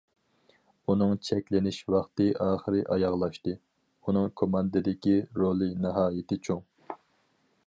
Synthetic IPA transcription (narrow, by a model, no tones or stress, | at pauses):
unɨŋt͡ʃʰɛkʲlɪnɪʃwɑχt̪ɨʔɑːχəɾɨʔɑjɑʁlˠɑʃt̪ɨ | unɨŋkʰomɑnd̪ɨd̪ɪkʲiɾolˠɨnɨɦɑːjɪt̪ʰɪt͡ʃʰoŋ